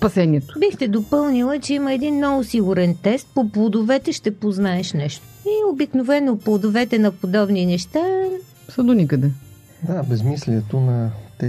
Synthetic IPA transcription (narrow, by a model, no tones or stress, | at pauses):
spɐsɛnʲiɛt̪o̥bixt̪ɛd̪opɤlˠnilˠət͡ʃɛiməɛd̪inːɔvosiɡʊɾɛnt̪ɛst̪̚poplˠod̪ovɛt̪ɛʃt̪ɛpoznaɛʃnɛʃt̪oiobiknovɛnːoplˠod̪ovɛt̪ɛnɐpod̪ɔbninɛʃt̪a | səd̪onikəd̪ɛ | d̪abɛzmisliɛt̪onɐt̪ɛ